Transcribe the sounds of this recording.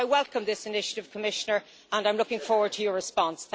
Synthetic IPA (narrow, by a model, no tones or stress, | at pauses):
ɪwɛlˠkə̃mðɪsɪnɪʃəɾɪv̥kʰəmɪʃənə˞ | ə̃nãɪ̃mlʊkɪ̃ŋfɔːɹwə˞d̚tʰəjə˞ɹɪspɑ̃nsθ